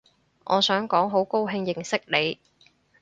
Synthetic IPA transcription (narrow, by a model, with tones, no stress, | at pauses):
ŋʔɔ̰ː˨˧sœː˨˥ŋkɔː˨˥ŋɦo˨˥wko˥wɦɪ˧ŋjɪ˨ŋsɪ˥k̚le˨˧j